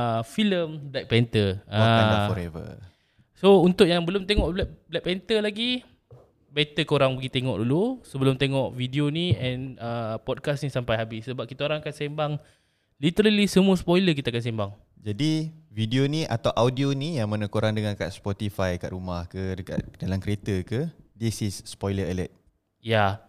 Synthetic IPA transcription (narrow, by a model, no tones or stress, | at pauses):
əfiləmblak̚pɛnt̪əaaandafɔɾɛvə̰ | sount̪ʊʔjaŋbəlʊmt̪eŋɔʔblablɛʔ̚pɛnt̪əlaɡi | bɛt̪əkoɾaŋbəɡit̪eŋɔ̰ʔdulusəbəlʊmt̪eŋɔʔvidioniɛnəpɔd̚kasnisampajɦabissəbap̚kit̪aoɾaŋakansembaŋ | lit̪əɾəlisəmuəspojlək̬it̪akans̬ɛmbaŋ | d͡ʒadividionĩʔa̰t̪awʔawdionijaŋmanəkoɾaŋdəŋãnka̰ʔspɔt̪ifajka̰ʔɾumahkədəka̰ʔdalamkəɾet̪əkədisisːpɔjləɛlə̰t̪̚ | ja